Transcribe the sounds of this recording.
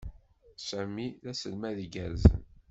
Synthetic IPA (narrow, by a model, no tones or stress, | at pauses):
sæmiðæsəlmæðɡæɾzə̰n